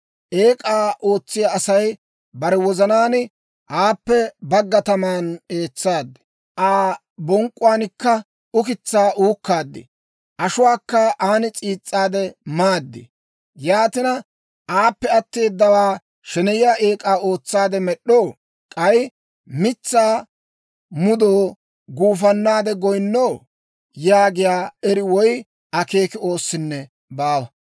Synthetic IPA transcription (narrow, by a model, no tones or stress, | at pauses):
ʔeːkʼaːʔoːt͡sːɪjaːsɐj | bɐɾɛwɔzɐnaːn | ʔaːpːɛbɐɡːɐt̪ɐmaːne̞ːt͡sːaːd̪ːɪ̥ | ʔaː | bɔŋkʼʊwaːnɪkːɐ | ʊkɪt͡sːaːʔuːkːaːd̪ːɪ̰ | ʔɐʃʊwaːkːɐʔaːnɪt͡sʼiːt͡sʼːaːd̪ɛmaːd̪ːɪ̰ | jaːt̪ɪnɐ | ʔaːpːɛɐt̪ːe̞ːd̪ːɐwaː | ʃɛnɛjɪjaːʔeːkʼaːo̞ːt͡sːaːd̪ɛmɛɗːoː | kʼɐj | mɪt͡sːaː | mʊd̪oː | ɡuːfɐnːaːd̪ɛɡɔjnːow | jaːɡɪjaːɛɾɪwɔj | ɐke̞ːkɪo̞ːsːɪnːɛ | baːwɐ